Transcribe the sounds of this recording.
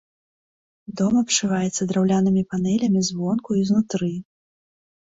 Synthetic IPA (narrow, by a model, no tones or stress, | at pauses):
d̪ɔmɐpʂɨvajɛt̪sːɐd̪ɾawlʲanɨmʲipanɛlʲɐmʲizvɔnkuiznut̪ɾɨ